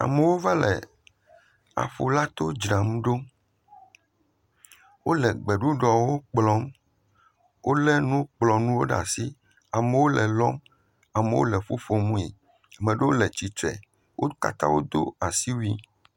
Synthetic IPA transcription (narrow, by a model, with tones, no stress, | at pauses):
a̰˨me˨wo˦va˦lɛ̰˨ | a̰˨ɸo̰˨la˦t̪o˦d͡ʒɾã˨m˦ɖo˦ | wo˦lɛ˨ɡ͡bɛ˨ɖu˦ɖɔ˨wo˦k͡plɔ˨˦m | wo˦lɛ˦nũ˦k͡plɔ˨nũ˦wo̰˦ɖa̰˨si˦ | a˨me˨wo˦lɛ˨lɔ˦m | a˨me˨wo̰˦lɛ˨ɸu˦fo˨mũ˦ḛ˨ | a˨mẽ˨ɖe˦wo˦lɛ˨t͡ɕi˨t̪ɾɛ̰˨ | wʔo˦ka̰˦t̪a̰˦wo̰˦d̪o̰˦a˨si˦wu˦i˦